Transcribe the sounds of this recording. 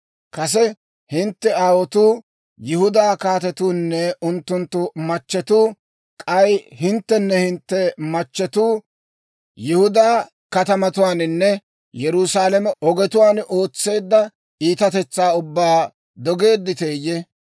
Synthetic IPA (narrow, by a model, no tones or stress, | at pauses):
kɐs̬ɛ | hɪnt̪ːɛaːwɔt̪uː | jɪhʊd̪aːkaːt̪ɛt̪uːnːɛʊnt̪ːʊnt̪ːʊmɐt͡ʃːɛt̪uː | kʼɐjhɪnt̪ːɛnːɛhɪnt̪ːɛmɐt͡ʃːɛt̪uː | jɪhʊd̪aː | kɐt̪ɐmɐt̪ʊwaːnɪnːɛ | jɛɾuːsaːlɐmɛʔɔɡɛt̪ʊwaːnʔo̞ːt͡sːe̞ːd̪ːɐ | ʔiːt̪ɐt̪ɛt͡sːaːʊbːaː | d̪ɔɡe̞ːd̪ːɪt̪eːje